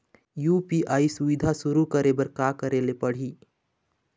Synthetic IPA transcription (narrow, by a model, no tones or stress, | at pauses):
juːpiʔaːisʊʋɪd̪ʱasʊɾukəɾebəɾkakəɾelepəɽ̤i